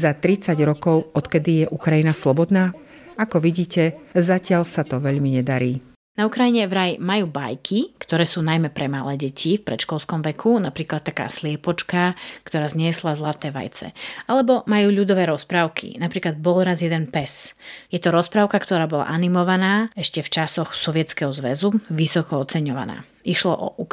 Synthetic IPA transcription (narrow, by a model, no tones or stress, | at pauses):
zat̪ɾit͡saɟɾɔkɔʊɔt̪kɛd̪ijɛʔukɾajinaslɔbɔd̪naː | akɔʋiɟiːcɛzacɪaʎsat̪ɔʋɛʎmiɲɛd̪aɾiː | naukɾajiɲɛvɾajmajuːba̰jkʰikt̪ɔɾɛːsuːnajmɛpɾɛmalɛːɟɛcʰifpɾɛ̰t̪ʃkɔlˠskɔmʋɛkʰunapɾiːklat̪̚t̪ːaka̰ːslɪɛpɔt͡ʃkakt̪ɔɾaːzɲɪɛslazlat̪ɛːʋa̰jt͡sɛ̰alɛbɔmajuːʎud̪ɔʋɛːɾɔspɾaʊkʰḭnapɾiːklad̪̚bɔlɾazjɛd̪ɛnpɛsjɛt̪ɔɾɔspɾaʊkakt̪ɔɾaːbɔla̰ʔanimɔʋanaːɛʃcɛft͡ʃasɔxsɔʋɪɛt͡skɛɦɔzʋɛzuʋisɔkɔɔtt͡sɛɲɔʋa̰na̰ː | iʃlɔ̰ʔɔ̰ʔuk